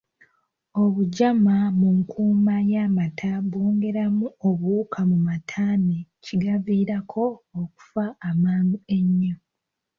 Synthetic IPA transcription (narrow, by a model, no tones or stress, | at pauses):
o̞βuɟamamuŋkʰuːmajamatʰaβoːŋɡe̞ɾamuoβuːkʰamumatʰaːneciɡaviːɾakʰo̞ːku̥faːmaːndue̞ɲːo